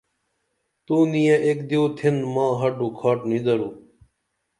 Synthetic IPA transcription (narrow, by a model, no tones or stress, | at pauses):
t̪uːnijãʔekd̪ewt̪ʰenmãːɦɐɖukʰaːʈnid̪ɐɾuː